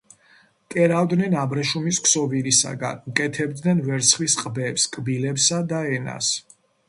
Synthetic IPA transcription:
kʼɛɾavd̪nɛnabɾɛʃumiskʰsɔviɾisa̰ɡa̰nukʼɛt̪ʰɛbd̪nɛnvɛɾt̪sʰχwisqʼbɛpskʼbilɛpsad̪aɛna̰s

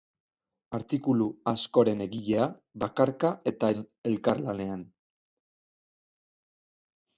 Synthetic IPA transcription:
aɾt̪ikuluasko̞ɾe̞ne̞ɣiʎe̞aβakaɾkae̞t̪ae̞lkaɾlane̞an

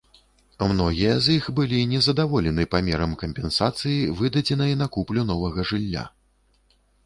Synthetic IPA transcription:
mnɔɣʲijɐzixbɨlʲinʲɛzɐd̪avɔlʲɛnɨpamʲɛɾɐmkɐmʲpʲɛnsat̪sɨjivɨd̪ɐd͡zʲɛnɐjɐnɐkuplʲunɔvɐɣɐʐɨlʲːa̰

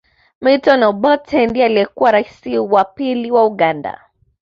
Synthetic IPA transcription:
mitɔnɔubɔtʰɛndialiɛkuwaɾaisiwapiliwauɠanda̰

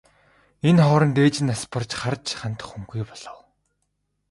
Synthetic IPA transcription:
enχɔːɾɞ̆nt̪eːt͡ɕɪ̆naspʰə̆rt͡ɕχart͡ɕʰχant̪ə̥̆χxuŋɡujpɔɮ̥ɞ̆w

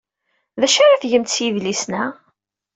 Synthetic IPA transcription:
ðæʃaɾaθʝəmt̪sjivlisnæ

